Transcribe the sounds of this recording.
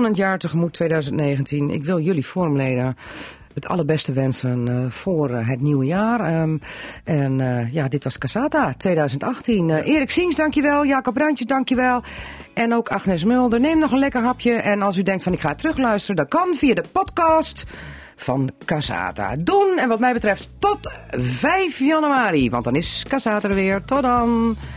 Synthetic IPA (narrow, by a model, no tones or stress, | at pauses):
nəntjaːɹtəxəmutʰːʋeːdœɥzəntneːɣəntʰinɪ̰kʋɪlˠjøliformleːdə | ətʰɑ̰lˠərbɛstəʋɛnsənfoːrɦətniwəjaːr | ɛnjadɪtʋɔskasaːtatʋeːdœɥzəntaxtinʔɪːɾɪksiŋsdaŋkjəʋɛlˠjaːkɔb̚rœɥntjəsdaŋkjəʋɛlˠ | ʔɛnoːkʰaxnɛs̬mølˠdərneːmnɔxənlɛkərɦapʰjəʔɛnɔlˠs̬ydɛŋktfɔnɪkxaːtrøxlœɥstərəndɔnkɔnfiədəpɔtkɔːst | fɔnkasa̰ːta̰dunɛnʋɔtmɛjbətrɛfttɔtvɛjfjanyaːɾiʋɑntdɔnɪskasaːtərʋɪəɹtɔdɔn